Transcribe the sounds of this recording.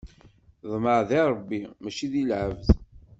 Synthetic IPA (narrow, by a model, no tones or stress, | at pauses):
ðˤməʕðiɾˤəbːimæt͡ʃiðilʕəvð